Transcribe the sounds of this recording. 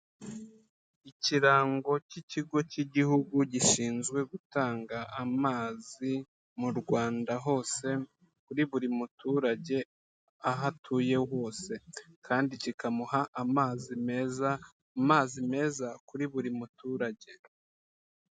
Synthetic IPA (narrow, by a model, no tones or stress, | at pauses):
iciɾaːŋɡo̞ciciɡo̞ciɟihuɡuɟiʃiːnzɡwe̞ɡutaːŋɡamaːzi | muɾɡwaːndaɦo̞ːse̞ | kuɾiβuɾimutuːɾaɟe̞ | aɦatʰuːje̞wo̞ːse̞kʰaːndicikamuhaʔamaːzimeza | maːzime̞ːzakuɾiβuɾimutuːɾaɟe̞